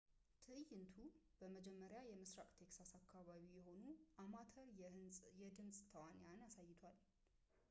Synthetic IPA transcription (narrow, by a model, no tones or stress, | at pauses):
t̪ʰɨʔɨjːɪnt̪ʰub̥əməd͡ʒɛmːəɾjajɛmɨsɾakʼt̪ʰe̞ksasakʰːaβaβijɛho̞nuʔamat̪ʰəɾjɛd̪ɨnsʼt̪ʰəwanɪjanjasajːɪt̪ʰwal